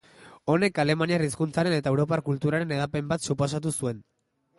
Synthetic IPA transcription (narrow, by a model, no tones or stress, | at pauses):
o̞ne̞kale̞maniariskunt͡saɾe̞ne̞t̪aewɾo̞pakult̪uɾaɾe̞ne̞ðape̞mbat̪suposat̪̬usue̞n